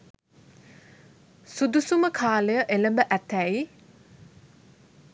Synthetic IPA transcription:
sud̪usuməkʰaːləjəʔeləmbəʔæt̪æi

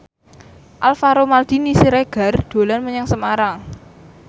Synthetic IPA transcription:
ʔalfaɾomald̪̥inisiɾeɡ̥a̤rd̪̥o̤lanməɲaŋsəmaɾaŋ

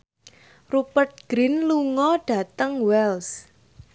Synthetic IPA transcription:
rupərt̪̚ɡ̥ɾinluŋɔɖ̥a̤t̪əŋwɛls

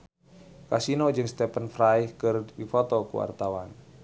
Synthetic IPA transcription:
kasinod͡ʒɨŋst̪ɛpənfrajkɨrdifɔt̪ɔkṵwa̰rt̪awan

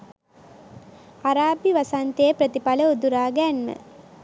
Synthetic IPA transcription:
aɾaːbiʋasant̪ejəpɾət̪ipaləud̪uɾaːɡænmə̰

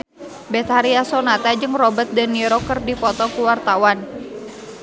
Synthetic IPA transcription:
bɛt̪haɾiasɔnat̪ad͡ʒɨŋrɔbət̪̚dəniɾɔkərdipɔt̪ɔkuwart̪awan

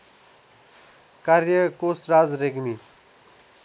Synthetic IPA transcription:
kaɾjəkosɾaːd͡zɾeɡmi

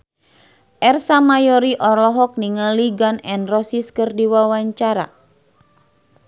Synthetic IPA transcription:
ʔɛrsamajɔɾiʔɔrlɔɦɔk̚niŋaliɡanɛnrɔsiskɨrdiwawaɲt͡ʃaɾa̰

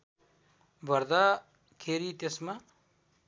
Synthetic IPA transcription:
bʱʌɾd̪a | kʰeɾit̪esma

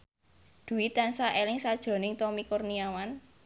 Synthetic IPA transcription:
d̪̥ṳwit̪ansaʔelɪŋsad̥ʒ̥ɾo̤nɪŋt̪ɔmikʊrniawan

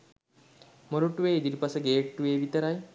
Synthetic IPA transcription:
moɾuʈuʋeːid̪iɾipasəɡeːʈʈːuʋeːʋit̪əɾaj

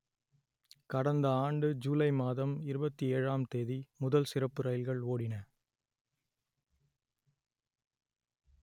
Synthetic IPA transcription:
kɐɽɐnd̪ɐaːɳɖɯd͡ʒuːlɐɪmaːðɐmɪɾɯbɐt̪ːieːɻaːmt̪eːðimʊðɐlsɪɾɐpːɯɾɐjɪlɣɐɭoːɽɪnɐ

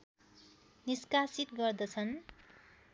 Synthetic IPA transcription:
niskasit̪ɡʌrd̪ʌt͡sʰʌn

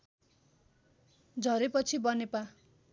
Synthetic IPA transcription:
d͡zʱʌɾepʌt͡sʰibʌnepa

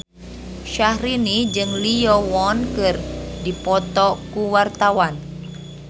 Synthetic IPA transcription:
ʃahɾinid͡ʒɨŋlijɔwɔnkɨrdipɔt̪ɔkuwart̪awan

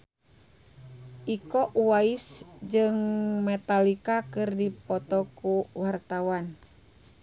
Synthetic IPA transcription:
ʔikɔʔwaisd͡ʒɨŋmɛt̪alikakɨrdipɔt̪ɔkuwart̪awan

